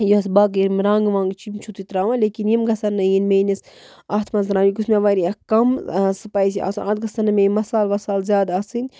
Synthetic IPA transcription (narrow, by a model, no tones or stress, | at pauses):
juɐsbaɡiɾmɾãːŋɡʋãːŋɡt͡ʃʰimt͡ʃʰut̪it̪ɾaːʋãːleːkinjimɡɐsɐnːɐjinmeːnis | aːt̪ʰmɐnzɾãːʋiɡusmʲeʋaːɾiɐkɐmsɨpaːisia̰ːsunʔãːt̪̚ɡɐsɐnːɐmẽːmɐsaːlʋɐsaːlzʲjaːd̪aːsɨnʲ